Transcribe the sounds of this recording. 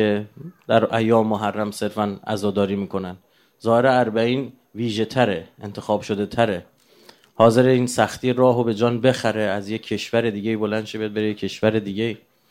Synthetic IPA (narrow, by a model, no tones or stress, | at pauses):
ed̪æɾʔæjːɒːmmːoɦærːæmse̞ɾfænæ̰zɒːd̪ɒːɾiːmiːkʰo̞næn | zɒːheɾeæɾbæiːn | viːʒe̞t̪ʰæɾeent̪ʰe̞xɒːbʃo̞d̪e̞t̪ʰæɾe̞ | hɒːze̞ɾeiːnsæxt̪ʰiːeɾɒːɦobe̞d͡ʒɒːnbe̞xæɾeæzje̞ːe̞ʃvæɾed̪iːɟe̞iːbo̞lænʃebejd̪̚be̞ɾejekcʰe̞ʃvæɾed̪iːɟe̞iː